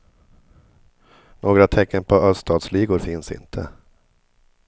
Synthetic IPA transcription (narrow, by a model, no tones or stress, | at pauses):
noːɡɾat̪ʰɛkːənpʰɔœst̪ɑːd̪sliːɡʊɾfɪnsɪ̰nt̪ʰə̰